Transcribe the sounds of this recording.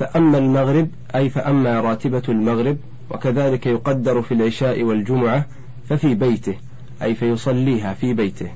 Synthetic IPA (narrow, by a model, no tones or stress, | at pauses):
faʔamːalmaɣɾɪb | ʔajfaʔamːaːɾˤɑːt̪ɪbalmaɣɾɪb̚ | wa̰kaðaːlɪkajʊqɑd̪ːɑɾˤfilʕɪʃaːʔɪwald͡ʒʊmʊʕa | fafiːbajt̪ɪh | ʔajfajʊsˤɑlːiːɦaːfiːbajt̪ɪh